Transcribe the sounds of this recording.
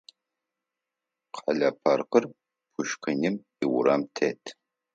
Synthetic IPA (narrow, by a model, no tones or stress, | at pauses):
qʰɐɮɐpʰɐrqər | pʰʊʃqɨnɪm | iwʊɾɐmtʰetʰ